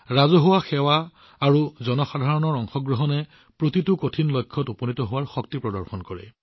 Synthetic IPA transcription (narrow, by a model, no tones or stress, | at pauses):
ɹazɔɦʊwaxɛwaː | ɹuzɔnɔxadʱaɹɔnɔɹɔŋxɔɡɹɔɦɔnɛ | pɹotitʊkotʰinlɔjkʰːɔtupɔnitɔɦʊwaɹxɔktipɹɔdɔɹxɔnkɔɹɛ̰